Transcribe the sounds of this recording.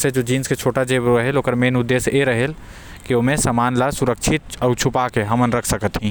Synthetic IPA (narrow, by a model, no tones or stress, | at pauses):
sed͡ʒod͡ʒiːnsket͡ʃʰoːʈad͡ʒeːbɾəɦeloːkəɾmenʊd̪ːeːseɾəɦel | kioːmẽsəmaːnlasuɾək̚t͡ʃʰɪt̪̚əʊt͡ʃʰupakeɦəmənɾəkʰsəkət̪ɦĩː